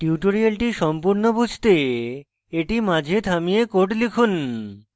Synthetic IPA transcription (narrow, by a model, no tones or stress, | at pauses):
ʈiuʈoɾialʈiʃɔmpuɾnobud͡ʑʱt̪e | eʈimãd͡ʑʱet̪ʰamijekoʈlikʰun